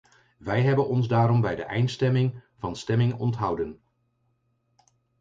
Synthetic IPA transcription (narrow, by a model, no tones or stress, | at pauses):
ʋɛjɦɛbənɔnzdaːɾɔmbɛjdəʔɛ̰jnstɛmɪŋvɑnstɛmɪŋɔ̰ntɦʌwdən